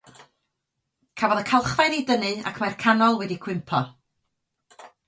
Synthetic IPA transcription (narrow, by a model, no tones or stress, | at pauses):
kʰavɔðəkʰalˠχvajðidənɨa̰kʰmajrkʰanɔlˠwɛdikʰw̥ɪmpʰɔ